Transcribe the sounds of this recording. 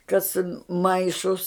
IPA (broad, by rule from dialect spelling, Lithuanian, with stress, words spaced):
ˈkɐs ˈmɐɪʃʊs